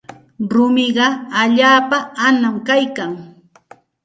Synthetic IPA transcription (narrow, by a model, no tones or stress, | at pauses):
ɾʊmɪɢɑaʎaːpaanamkajkaŋ